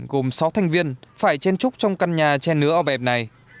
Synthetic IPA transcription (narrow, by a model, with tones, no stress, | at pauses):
ɣo˨˩msa˨˦wt̪ʰɛ˨˩jŋ̟vi˧ənfaː˧˩jt͡ɕe˧nt͡ɕʊ˦˥k͡p̚t͡ɕɔ˧wŋ͡mka˧nɲaː˨˩t͡ɕɛ˧nːɨ˨˦əʔəː˧˩ɓɛ˨˩p̚na˨˩j